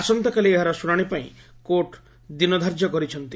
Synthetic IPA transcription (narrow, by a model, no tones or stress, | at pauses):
asɔnt̪ɔkalieɦaɾɔsuɽaɽ̃ipaḭ̃ | koʈ | d̪inɔd̪ʱaɾd͡ʒɔkɔɾit͡ʃʰɔnt̪i